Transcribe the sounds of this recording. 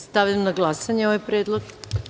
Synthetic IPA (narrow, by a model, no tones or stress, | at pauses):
st̪aʋʎʲamnaɡlˠasaɲeoʋajpɾeːd̪lˠoɡ